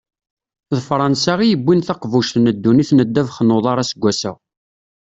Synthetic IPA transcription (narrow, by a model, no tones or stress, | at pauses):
ðfɾˤɑnsaʁijəbːinθɑqvuʃθnəd̪ːuniθnəd̪ːævχənːoðˤɑɾˤɑsəɡʷːæsə̰ʁ